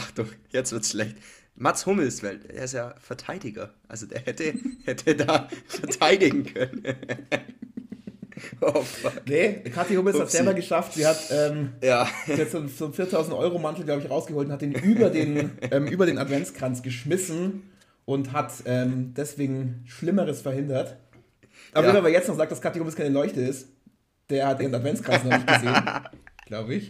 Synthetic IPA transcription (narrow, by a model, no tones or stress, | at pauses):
ʔaχd̥ɔχjɛt͡sv̥ɪɐtsʃlɛçt | matshʊml̩sv̥aɪlḛːɐɪstjaːfɛɐtʰaɪdɪɡɐ̰ʔa̰lzodḛːɐhɛtʰəhɛtʰədaːfɛɐtʰaɪdɪɡŋ̩kʰœnə | ɔfanekʰatihʊml̩shatzzɛlbɐɡəʃaftz̥iːɐhatʔɛːmjaːiːhatz̥oːnz̥oːnfiːɐtʰaʊzn̩tʔɔ̰ʏʁomantl̩ɡlaʊbəɪçʁaʊsɡ̥əhoːltʊnhatd̥iːnʔyːbɐdeːnʔɛːmʔyːbɐɾeːnatv̥ɛnt͡skʁ̥ant͡sɡ̥əʃmɪsn̩ | ʔʊntɦatʔɛːmd̥ɛsv̥eːɡŋ̩ʃlɪməʁəsfɛɐhɪndɐt | ʔabeːmɐveːɐjɛt͡stnɔχzaːk̚d̥askʰatihoːmɪskʰaɪnəlɔʏçtəɪst | d̥eːɐhat̚ʔeːʁənatv̥ɛnt͡skʁ̥ant͡ssnɔχnɪçɡəzeːnɡ̥laʊbəɪç